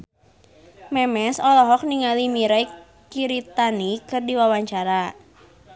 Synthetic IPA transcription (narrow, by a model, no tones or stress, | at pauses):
mɛmɛsɔlɔɦɔk̚niŋalimiɾai | kiɾit̪anikɨrdiwawaɲt͡ʃaɾa